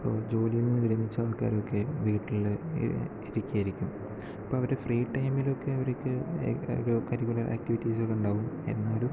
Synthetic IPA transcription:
pːo̰ːd͡ʑo̞ːlijumːɨʋiɾɐmit͡ɕːaːʋɐkːa̰ːɾo̞kːe̞ʋiːʈːiɭl̰ | iɾikʲːiaːjiɾikʲːum | ɐpːo̞ːɐʋɐɾefriːʈːɐjmilo̞kːe̞ɐʋɐɾeokʲːɨo̰ɾukɐɾikːulɐrʔa̰ːk̚tiʋitːisokːeuɳɖaːʋumḛnːaːɐɾu

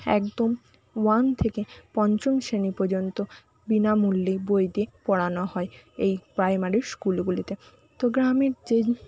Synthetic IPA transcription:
ɛ̰kd̪om | want̪ʰekepɔnt͡ɕonʃenipoɾd͡ʑont̪o | binamulːibojd̪iepɔɽanohɔeejpɾajmaɾiɾskulɡulit̪e | t̪oɡɾameɾd͡ʑe

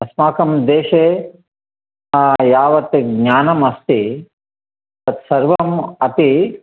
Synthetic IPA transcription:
ɐsmaːkɐmd̪eːʃeː | jaːʋɐt̪ɡɲaːnɐmɐst̪i | t̪ɐt̪sɐɾʋɐmɐt̪i

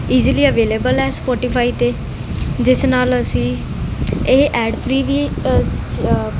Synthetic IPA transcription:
iːziliːəʋeːleːbəlɛːspɔːʈɪpʰaːiːt̪eː | d͡ʒɪsnaːləsĩː | eɦʔɛːɖpʰɾiːʋiː

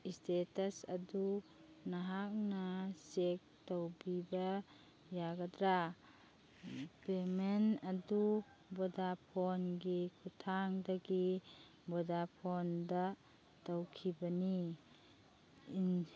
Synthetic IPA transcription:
istetasɐdu | naɦak̚nasek̚tawbiba | jaɡadɾa | pemenadu | bɔdapʰɔnɡikʰutʰaŋdaɡi | bɔdapʰɔnda | tawkʰibɐni | n

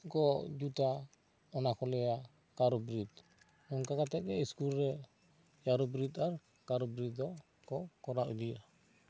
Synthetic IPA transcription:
ɡɔd͡ʒuta | ɔnakɔlɛa | kaɾɔbɾit | ɔŋkakatɛk̚ɛiskuɾːɛ | jaɾɔbɾitaɾ | kaɾɔbɾit̚dɔ | kɔkɔɾaudia

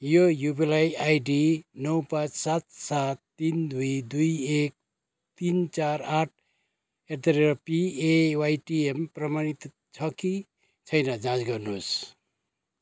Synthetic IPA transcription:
jojupilajajɖinʌwpãt͡ssat̪sat̪ːind̪ujd̪ujek̚ | t̪int͡saɾaʈ̚ʰ | ekd̪ʌɾeɾʌpiewajʈiemprʌmañit̪ | t͡sʰʌki | t͡sʰʌjnʌd͡zãt͡sɡʌrnus

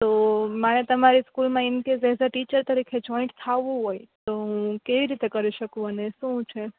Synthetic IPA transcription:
t̪omənet̪əmaɾiskulmãɪnkezezaʈit͡ʃəɾt̪əɾikʰed͡ʒɔĩɳʈt̪ʰaʋũɦojt̪oɦũũkeʋiɾit̪ekəɾiʃəkũɦəneʃũt͡ʃʰe

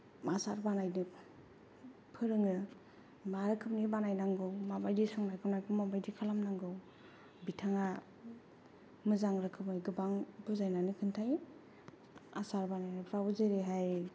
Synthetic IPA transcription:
masaɾbanajnɯ | pʰɯɾɯŋɯ | maɾɯkʰɯp̚nibanajnaŋɡɯwmabajdisɔŋnajkʰɯnajkʰɯmːabajdikʰalamnaŋɡɯw | bitʰaŋa | mɯzaŋɾɯkʰɯp̚ɯjɡɯbaŋbɯzajnanikʰɯntʰaj | a̰saɾbanajnɯpʰɾawzeɾeɦaj

